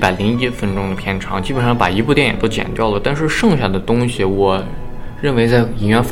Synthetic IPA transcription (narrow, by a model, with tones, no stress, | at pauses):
pa˨˩ɪli˧˥ŋi˥fə˥nʈ͡ʂʊ˥ŋd̪ə˨pʰjɛ˥nʈ͡ʂʰɑ˧˥ŋt͡ɕi˥pə˨˩nʂɑ˥˩pa̰˨˩i˧˥pu˥˩t̪jɛ˥˩njɛ̰˨˩t̪o˥ʊt͡ɕjɛ̰˨˩nt̪jɑ˥˩ʊlə˩t̪a˥˧nʂɻ̩˥˧ʂɤ˥˧ŋɕɥɛ˨˩nd̪ə˦˩t̪ʊ˥ŋɕi˨wɔ˨˩ | ɻə˥˩nwe˧˥ɪt͡sa˥˧ɪi˧˥˩nɥɛ˥nf